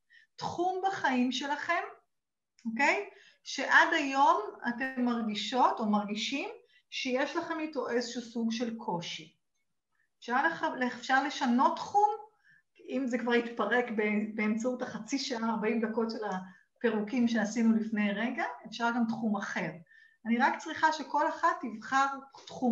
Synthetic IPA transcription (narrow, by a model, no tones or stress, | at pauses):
tχumbaχaimʃe̞laχe̞m | oke̞j | ʃe̞ʔadajo̞ma̰temːaʁɡiʃo̞to̞maʁɡiʃim | ʃejeʃlaχe̞mlitoʔezeʃuːsuɡʃe̞lkʰo̞ʃi | fʃalaalefʃaʁle̞ʃano̞tːχum | imzekvaʁitpaʁekbebeːmt͡sautaχat͡siʃaʔaːʁbaimdako̞tʃela | pe̞ʁukimʃeasinulifne̞jʁeɡaʔefʃaʁɡamtχumaχe̞ʁ | aniʁakt͡sʁiχaʃe̞ko̞laχatːivχaʁtχum